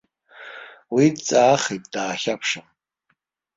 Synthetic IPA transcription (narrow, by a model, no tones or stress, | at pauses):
widt͡sʼaːχejt̚ʼdaːχʲapʰʂɨm